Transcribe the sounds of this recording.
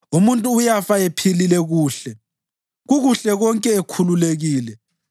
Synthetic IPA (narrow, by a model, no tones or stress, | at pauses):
umuntʼuːjafaepʰililɛɣuːɬɛ | ɣuɣuɬɛɣɔŋkʼɛekʰululeɣiːlɛ